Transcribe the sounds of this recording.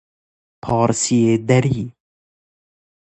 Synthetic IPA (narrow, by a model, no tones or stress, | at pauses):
pʰɑːɾsied̪æɾiː